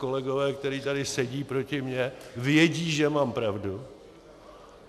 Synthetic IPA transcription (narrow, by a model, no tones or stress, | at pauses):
ko̞lɛɡo̞vɛːk̚t̪ɛɾiːt̪adɪsɛɟiːpɾo̞cɪmɲɛvjɛɟiːʒɛmaːmpɾavdu